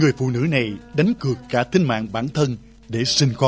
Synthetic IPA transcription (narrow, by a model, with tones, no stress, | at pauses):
ŋɨ˨˩əjfṵ˧˨nɨ̰˧˥na˨˩jɗa˨˦jŋ̟kɨ˨˩əkːaː˧˩t̪ʰï˧ŋ̟ma̰ː˧˨ŋɓaː˧˩nt̪ʰə˧n | ɗe˧˩sï˧ŋ̟xɔ˦